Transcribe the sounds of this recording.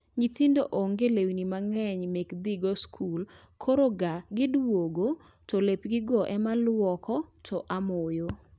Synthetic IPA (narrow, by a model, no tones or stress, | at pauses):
ɲit̪indoʔoŋɡelewinimaŋɛɲmekd̪iɡoskʰul | kʰoɾoɡaɡɪdwoɡo | tolepɡɪɡɔʔɛmalwɔkʰɔtʰɔʔamojo